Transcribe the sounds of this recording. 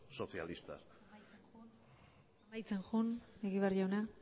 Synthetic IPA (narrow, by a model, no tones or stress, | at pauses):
so̞sialist̪a̰ | un | amajt͡se̞nʝuneɣiβeɾiona